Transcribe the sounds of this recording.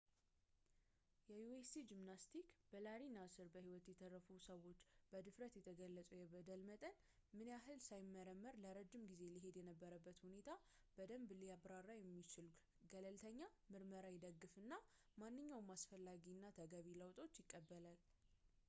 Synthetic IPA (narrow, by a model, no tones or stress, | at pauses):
jɛjuest̪id͡ʒimnast̪ʰikb̥əlaɾinasɨɾbəhiwɔt̪jɛt̪ʰərːəfusəwo̞t͡ʃːb̥əd̪ɨfɾət̪jɛt̪ʰəɡəlːət͡sʼujɛbəd̪əlmət̪ʼən | mɨneaɦɨlsajɪmːəɾəmːəɾləɾəd͡ʒːɪmɡize̞liɦe̞d̪jɛnəbːəɾəbːət̪hune̞t̪ʰa | b̥əd̪əmbɨliabɾarːajɛmːit͡ʃɪl | ɡələlt̪ʰəɲːa | mɨɾməɾajɛd̪əɡːɨfɨnːa | manːɨɲːawmasfəlːaɡinːat̪ʰəɡaβiləwt̪ʼo̞t͡ʃːjɪkʼːəbːəlal